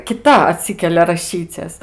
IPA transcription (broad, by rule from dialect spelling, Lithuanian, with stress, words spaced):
kʲɪˈtɐ ɐˈtʲsʲiːkʲɛlʲɛ rɐˈʃʲiːt͡sʲɛs